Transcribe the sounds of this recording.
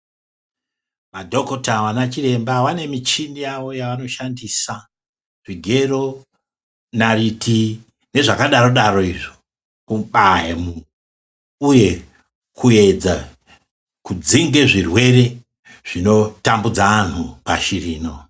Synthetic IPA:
madʱo̞kotawanat͡ʃire̞mbawane̞mit͡ʃinijaʋo̞jaʋano̞ʃandisa | ʐiɡʱe̞ro̞ | nariti | ne̞ʐakaɗaɾo̞ɗaro̞iʐo̥ | kuɓaɦemu | uje̞ | kue̞d͡za | kud͡ziŋɡe̞ʐirwe̞re̞ | ʐ̥ino̞tambud͡zaan̤upa̰ʃiriːno̞

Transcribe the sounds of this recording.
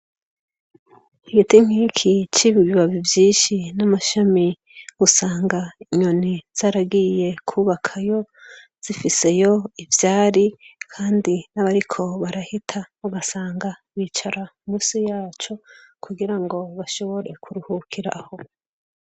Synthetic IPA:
iɡitim̥hikʰit͡ʃiβiβiβaβivjiːnʃinamaʃami | usaːŋɡaiɲo̞niz̥aːɾaɡije̞kʰuːβakʰajo̞ | z̥ifise̞jo̞ivjaːɾikʰaːndinaβaɾikʰo̞βaɾahitʰauɡasaːŋɡaβwiːt͡ʃaɾaumuːsijaːt͡ʃo̞kʰuɡiɾaŋɡo̞βaʃo̞βo̞ɾe̞kʰuɾuhukʰiɾa̰ho̞

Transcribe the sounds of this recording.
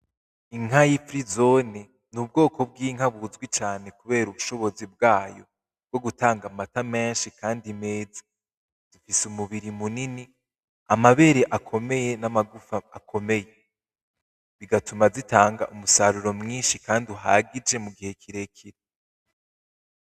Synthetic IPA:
iŋɦajifɾizo̞ni | nub̚ɡo̞ːkʰo̞b̚ɡiːŋ̥aβuzɡwit͡ʃaːne̞kuβe̞ːɾuβuʃo̞βo̞zib̚ɡaːjo̞ | b̚ɡ̥o̞ɡutaːŋɡamatame̞ːnʃikaːndimeːzi | d̥ufisumuβiɾimunini | amaβe̞ɾeʔakʰo̞me̞je̞namaɡufaːkʰo̞me̞je̞ | ziɡatumazitaːŋɡa̰ʔumusaɾuɾo̞mŋiːnʃikaːndiuɦa̰ːɡid͡ʒe̞muɡihe̞kʰiɾe̞kʰiɾe

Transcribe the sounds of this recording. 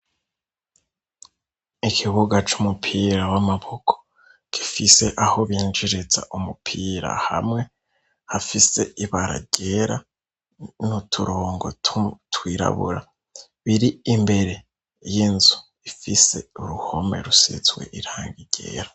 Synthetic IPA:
ikʰiβuɡat͡ʃumupʰiːɾawamaβo̞kʰo̥ | ki̥fise̞ʔaho̞βiːnd͡ʒiɾezaʔumupʰiːɾa̰ha̰mŋe̞ | hafise̞iβaɾa̰ɟe̞ɾa | nutʰuɾoːŋɡo̞ttwiːɾa̰βṵɾa | βiɾiimbe̞ɾe̞ | jinzu | ifise̞̰uɾuho̞me̞̰ɾusḛzwe̞̰ʔiɾaːŋɡiɟ̥e̞̰ːɾḁ

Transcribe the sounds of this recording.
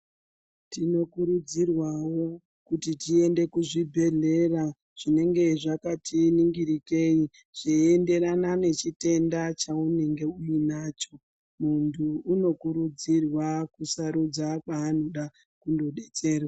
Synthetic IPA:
tino̞kuɾud͡zirwawo̞ | kutitie̞nde̞kuʐibʱe̞ɮe̞ra | ʐ̥ine̞ŋɡe̞ʐakatiniŋɡiɾike̞i | ʐ̥ee̞nde̞ɾanane̞t͡ʃite̞ndat͡ʃaune̞ŋɡe̞ujinaːt͡ʃo̞ | muntʰuːno̞kuɾud͡zirwakusaɾud͡zakaːn̤uɗa | kundo̞ɗe̞t͡se̞ːrwa

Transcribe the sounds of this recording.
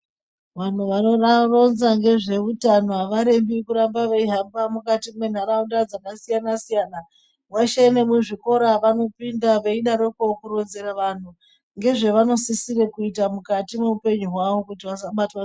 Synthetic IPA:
ʋan̤uʋano̞raro̞nzaŋɡe̞ʐe̞utanoaʋaɾe̞mbikuɾambaʋeiɦambamukatimwe̞n̤aɾaundad͡zakasijanasijaːna | mwaʃenemuʐiko̞ɾaʋano̞pindaʋe̞iɗaɾokokuɾo̞nze̞raʋan̤u | ŋɡe̞ʐe̞ʋano̞sisirekuitamukatimeupe̞ɲuɦwaʋo̞kutiʋasaɓatwa

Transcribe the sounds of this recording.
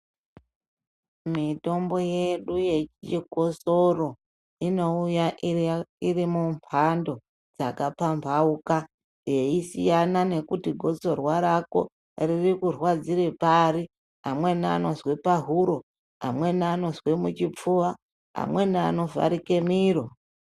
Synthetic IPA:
mito̞mbo̞je̞ɗuje̞t͡ʃt͡ʃiɡʱo̞so̞ro̞ | ino̞ujaʔirimumpʰando̞ | d͡za̰kapampauka | je̞isijanane̞kutiɡʱo̞t͡so̞rwaɾako̞̰ | ririkurwad͡ziɾepaɾi | amwe̞nano̞zwe̞paɦuɾo̞ | a̰mwe̞naːno̞zwe̞mut͡ʃip͡fuwa | a̰mwe̞naːno̞va̰ɾike̞miːɾo

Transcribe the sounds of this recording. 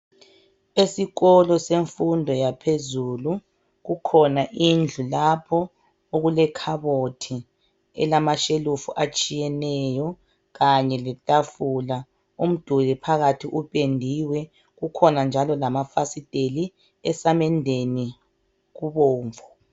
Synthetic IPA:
esiɣɔlɔseɱfundʱɔjapʰezulu | ɣukʰɔnaʔind͡ɮʱulapʰɔ | oɣulɛkʰaβotʰi | ɛ̰lamaʃelufṵʔat͡ʃʼijɛnɛjɔ | ɣaɲɛlɛtʼafula | um̩d̥ʱulɛpʰaɣatʰiʔupʼendʱiwɛ | ɣukʰɔnand͡ʒʱalɔlamafasid̥ʱʼeli | ɛsamɛndʱeni | ɣuβoːɱvʱɔ

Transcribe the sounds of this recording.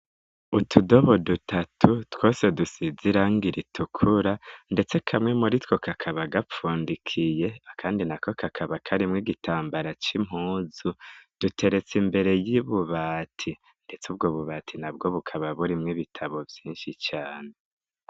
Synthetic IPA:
utʰudo̞βo̞dutatʰutwo̞ːse̞dusiziɾaŋɡiɾitʰukʰuɾande̞t͡se̞kʰamŋe̞muɾitwo̞kʰakʰaβaɡap͡fuːndikʰije̞akʰaːndinako̞kʰakʰaβakʰaɾimŋiɡitʰaːmbaɾat͡ʃim̥huːzud̥ute̞ɾe̞t͡simbe̞ɾe̞jiβuβatʰi | nde̞t͡subɡoβuβatʰinabɡo̞βukʰaβaβuɾimŋiβitʰaβo̞vjiːnʃit͡ʃaːne̞

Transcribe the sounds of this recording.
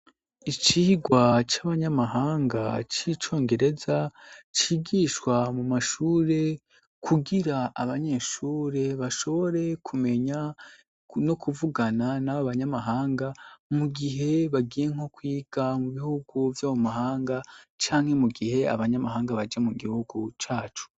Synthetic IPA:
it͡ʃiiɡwat͡ʃaβaɲamaɦaːŋɡa̰t͡ʃit͡ʃo̞ːŋɡe̞ɾe̞zat͡ʃiːɡiʃkwamumaʃuːɾe̞ | kʰuɡiɾaaβaɲe̞ʃuːɾe̞βaʃo̞βo̞ɾe̞kʰume̞ɲa | no̞kuvuɡananaβoβaɲamaɦaːŋɡamuɡiɦe̞βaɡije̞ŋ̥o̞kwiːɡ̥amuβihuɡ̥uvjaːwomaɦaːŋɡat͡ʃaːŋhe̞muɡihe̞a̰βaɲamaɦaːŋɡaβad͡ʒamuɡihuɡut͡ʃaːt͡ʃu̥

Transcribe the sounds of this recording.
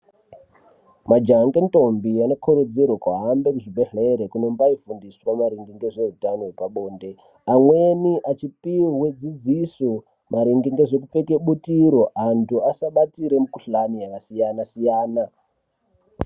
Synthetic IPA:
mad͡ʒaŋɡento̞mbianokʰoɾud͡zerwakwaɦambekuʐibʱe̞ɬeɾekuno̞mbaifundiswamaɾiŋɡiŋɡe̞ʐe̞ɦutanowepaɓo̞ːnde̞ | amwe̞niʔat͡ʃipiwed͡zid͡ziso | maɾiŋɡiŋɡe̞ʐe̞k̬up͡fe̞ke̞ɓutiɾo̞antuasaɓatiɾe̞mukuɬanijakasijanasijaːna

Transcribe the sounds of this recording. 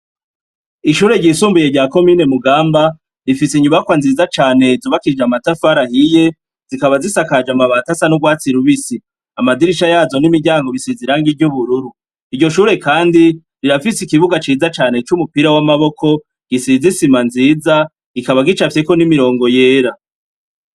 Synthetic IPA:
iʃuːɾe̞ɟiːsuːmbuje̞ɟaːko̞miːne̞muɡaːmba | ɾifisiɲuβakwanziːzat͡ʃaːne̞zuːβakid͡ʒamatafaɾahije̞ | z̥ikaβazisakad͡ʒamaβaːtasanuɡwaːt͡siɾuβisi | amadiɾiʃajaːzo̞nimiɟaːŋɡo̞βisiziɾaŋɡivɟuβuɾuɾu | iɟo̞ʃuːɾe̞kaːndi | ɾiɾafisikiβuɡat͡ʃiːzat͡ʃaːne̞t͡ʃumupiɾawamaβo̞kʰo̞ | ɡ̥isizisimanziːza | ikaβaɡit͡ʃafeko̞nimiɾo̞ːŋɡo̞je̞ːɾa

